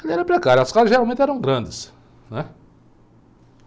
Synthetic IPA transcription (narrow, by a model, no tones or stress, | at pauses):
elɛɾɐ̃pɾekaɾjʊaskazɪzʒeɾawmẽnt̪ɪɛɾɐ̃w̃ɡɾɐ̃nd̪ɪs | nɛ